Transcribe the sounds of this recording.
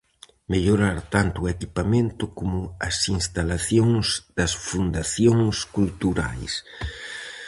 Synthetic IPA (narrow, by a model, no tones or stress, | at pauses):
meʎoɾaɾt̪ant̪ʊːekipamẽnt̪ʊkomʊɐsiŋst̪alaθjoŋzd̪̥ɐsfund̪aθjoŋskult̪uɾa̰js